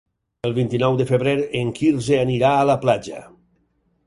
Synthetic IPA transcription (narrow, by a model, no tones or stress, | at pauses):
elˠβint̪inɔwd̪əfəβɾeɾeŋkiɾzeaniɾaːlaplad͡ʒə̰